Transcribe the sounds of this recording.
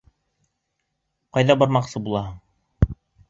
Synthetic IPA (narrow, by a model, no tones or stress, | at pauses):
qɑjðɑbɑɾmɑqsɤbulˠɑɦɤɴ